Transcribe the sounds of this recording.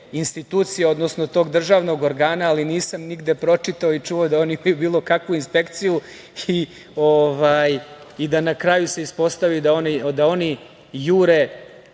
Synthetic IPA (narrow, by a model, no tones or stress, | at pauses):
inst̪it̪uːt̪sijeo̞d̪nosnot̪o̞ːɡd̪r̩ʒaːʋno̞ɡo̞ɾɡaːnaːliniːsamniɡd̪e̞pɾo̞t͡ʂit̪aoit͡ʂuod̪ao̞niimajubiːlˠo̞kakʋuinspe̞kt̪siju | i | oʋaj | id̪anakɾajuse̞ispo̞st̪aʋid̪aonid̪ao̞ni | juːɾe̞